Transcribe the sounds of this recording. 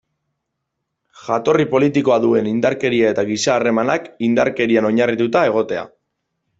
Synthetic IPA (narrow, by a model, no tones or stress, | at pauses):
ʝat̪o̞ripo̞lit̪iko̞aðue̞nind̪aɾke̞ɾiae̞t̪aɣisaːre̞manakind̪aɾke̞ɾiano̞ɲarit̪ut̪ae̞ɣ̞o̞t̪e̞a̰